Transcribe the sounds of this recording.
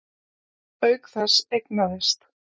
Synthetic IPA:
œɥkθasejknaðɪst̪

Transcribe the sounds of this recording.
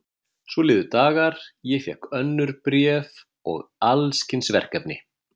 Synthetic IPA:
svɔlɪːðʏt̪aːɣaɾ̥jɛfjɛ̰hkœnːʏɾpɾjɛːv | ɔ̰ɣalscɪnsvɛ̰r̥kɛpnɪ

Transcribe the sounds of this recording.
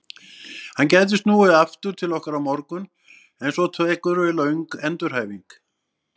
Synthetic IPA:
hancɛjt̪̬ɪst̪nuːɣaaft̪ʏɾ̥t̪ʰɪlɔhkaɾawmɔɾkʏn | ɛnsɔt̪ʰvœkʏɾvɪlœʏɥŋkɛnt̪ʏɾ̥haːjviŋk

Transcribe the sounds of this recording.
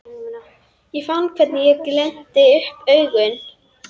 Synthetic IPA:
jɛfanːkʰvɛɾt̪nɪjɛklɛn̥t̪ɪʏhpœɥɣʏn

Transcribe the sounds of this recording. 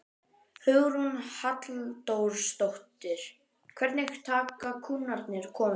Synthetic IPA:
hʏɣɾunhat̪lt̪owɾ̥st̪owht̪ɪɾ̥ | kʰvɛɾt̪nejhkʏ̥ɾ̥t̪ʰaːkakʰuːnaɾt̪nɪɾ̥kʰɔːm

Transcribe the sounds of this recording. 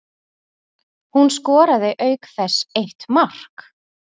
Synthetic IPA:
hunskɔːɾaðɪʔœːɥkθɛseht̪mar̥k

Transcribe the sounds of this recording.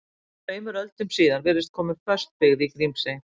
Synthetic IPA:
feːjmʏɾœlt̪ʏmsiːðanvɛːɾɪst̪̚kʰɔːmɪfœst̪̚pɪɣðikɾimpse

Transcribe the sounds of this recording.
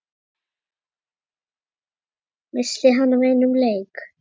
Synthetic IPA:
mɪslɪɦanːavejnːʏmleːjk

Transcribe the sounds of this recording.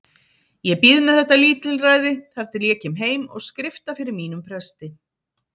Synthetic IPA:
jɛpiðnaθɛht̪aliːt̪lɪlraːjðɪθaɾ̥t̪ɪlɛːcɪmɦeːjmɔ̰ɣskɾɪft̪afɪɾɪɾmiːn̪ʏmpʰɾɛst̪ɪ

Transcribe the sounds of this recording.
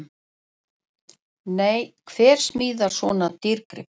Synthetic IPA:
neːjkʰvɛːɾ̥smiːðaɾ̥svɔːnat̪iɾkɾɪ̰

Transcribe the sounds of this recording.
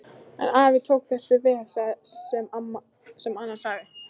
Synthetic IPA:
ɛ̰naːvɪt̪ʰoːwkθɛsʏvɛːɾ̥sasɛmana | sɛmanːasaːɣðɪ

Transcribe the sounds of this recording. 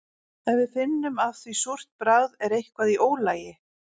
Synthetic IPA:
ɛnvɪðfɪnːʏmaðθvisur̥t̪̚pɾaːðɛɾejhkvaðiʔoːwlaːjɪ

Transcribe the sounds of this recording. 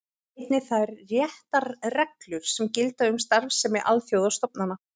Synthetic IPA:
ɪt̪nɪθaðɛɾrjɛht̪aɾrɛklʏɾ̥sɛmcɪlt̪aʏmst̪aɾvsːɛmːɪʔa̰lθjowðast̪ɔp̚nanːa

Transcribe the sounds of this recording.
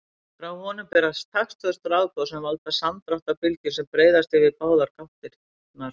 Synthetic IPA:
fɾawvɔːnʏpɛɾast̪ʰaxst̪fœst̪ʏɾaːwt̪ɔwsɛmvalt̪asamt̪ɾaht̪apɪlcɪɾsɛmpɾeːjðast̪ɪvɪpaːwðaɾ̥kʰaft̪ɪɾ̥ | knaɾ̥

